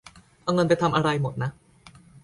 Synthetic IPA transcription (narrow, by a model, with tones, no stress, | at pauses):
ʔa˧wŋɤ˧npa˧jt̪ʰa˧mʔa˧ɾa˧jmo˨˩t̪̚na˦˥ʔ